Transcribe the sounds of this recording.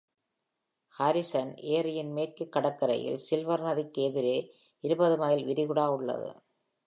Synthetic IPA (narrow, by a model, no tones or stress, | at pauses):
hɐɾɪsɐnʔeːrɯjɪnmeːrkɯkːɐɽɐkːɐɾɐ̰jɪ̰lsɪlʋɐɾnɐðikːeːðɪɾeː | ɪɾɯbɐðɯmɐjɪlʋɪɾɪɣɯɽaːʊɭːɐ̰ðɯ̰